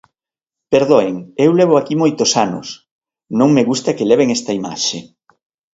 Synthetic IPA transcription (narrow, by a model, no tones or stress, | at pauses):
peɾðoeŋewleβ̞oakimojt̪osanʊ̰s | nõŋmeɣust̪akeleβeŋɛst̪aima̰ʃe